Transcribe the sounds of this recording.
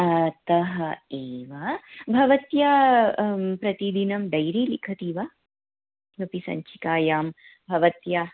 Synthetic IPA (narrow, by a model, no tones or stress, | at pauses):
ɐt̪ɐɦɐeːʋabʱɐʋɐt̪jaː | pɾɐt̪id̪inɐmd̪ɐjɾiːlikʰɐt̪iːʋa | bɐpisɐ̰ɲt͡ʃʰikaːjaːm | bʱɐʋɐt̪jaː